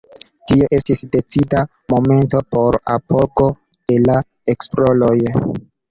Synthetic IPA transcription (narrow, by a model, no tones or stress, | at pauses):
tio̞ʔe̞stisde̞t͡sida | mo̞me̞nto̞po̞ɾa̰po̞ɡo̞ | d̥e̞la | eksplo̞lo̞j